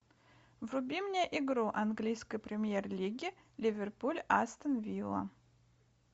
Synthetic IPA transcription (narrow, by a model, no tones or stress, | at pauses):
vrʊbʲimnʲɪjʔɪɡɾuʔɐnɡlʲijskəjpɾʲɪmʲjerlʲiɡʲɪ | lʲɪvʲerpulʲast̪ənvʲilˠə̰